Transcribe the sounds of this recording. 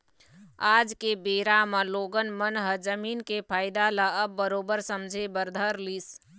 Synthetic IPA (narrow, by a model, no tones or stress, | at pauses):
aːd͡ʒkebeːɾaməloːɡənmənɦəd͡ʒəmiːnkepʰaːɪd̪alaəbːəɾoːbəɾsəmd͡ʒʱebəɾd̪ʱəɾliːs